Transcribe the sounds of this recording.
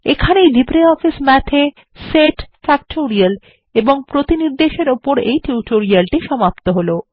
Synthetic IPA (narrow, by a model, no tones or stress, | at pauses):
ekʰanejɖipɾeɔfismɛt̪ʰe | seʈfɛk̚ʈoɾial | eboŋpɾot̪iniɾd̪eʃeɾopoɾejʈuʈoɾialʈiʃɔmapt̪oɦolo